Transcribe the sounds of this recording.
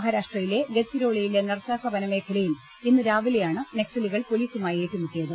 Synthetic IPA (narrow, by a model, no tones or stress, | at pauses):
ɦɐɾaːʂʈrɐjile̞ɡet͡ɕːiɾo̞ːɭijilenɨrsaːkɐbɐnɐme̞pʰilɐjum | inːɨɾaːʋilejaːɳɨne̞ksɐliɣɐɭpo̞liːsumaːje̞ːʈːimukːijɐðɨ